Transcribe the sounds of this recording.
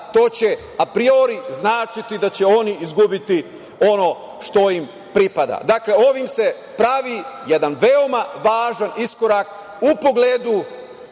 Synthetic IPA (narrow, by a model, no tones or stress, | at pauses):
t̪o̞ːt͡ɕe̞ | apɾio̞ɾiznaːt͡ʃit̪id̪at͡ɕe̞o̞niizɡubit̪i | o̞no̞ | ʃt̪o̞im | pɾipad̪a̰d̪akle̞o̞ʋimse̞ | pɾaʋijed̪anʋeo̞maʋaːʒanisko̞ɾak | upo̞ɡleːd̪u